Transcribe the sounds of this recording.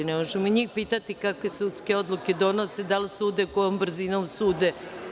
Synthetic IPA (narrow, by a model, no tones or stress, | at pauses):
nemoʒemoiɲiːxpiːt̪at̪ikakʋe̞sut̪ske̞o̞d̪lˠuke̞d̪o̞nosed̪alsuːd̪ekoombr̩zinomsuːd̪e